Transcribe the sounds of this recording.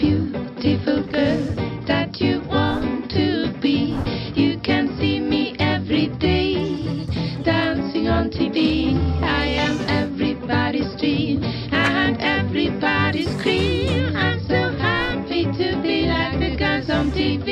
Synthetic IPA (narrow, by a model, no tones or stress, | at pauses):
b̥jʉɾɪfl̩ˠɡɜðɨt͡ʃɨwɑ̃ntʰɨbijɨkʰɨ̃nsimiʔɛvɹideɪ | d̥æ̃nsɪ̃ŋə̃ntʰiviaɪɨ̃mɛvɹibɑɾistɹ̥ĩ | ɪɨnɛvɹibɑɾiskʰɹĩmãɪ̃msoʊhæpiɾɨbilaɪk̚bɨɡæ̃nsn̩tʰivi